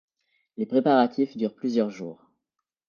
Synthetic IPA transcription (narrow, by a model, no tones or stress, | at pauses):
lepχepaʁat̪ʰifd̪yʁplyzjœʁʒuːʁ